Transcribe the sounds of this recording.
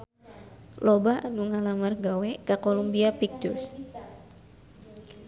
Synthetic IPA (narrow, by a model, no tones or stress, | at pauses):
lɔbaanuŋalamarɡawɛkakolumbiapik̚t̪urs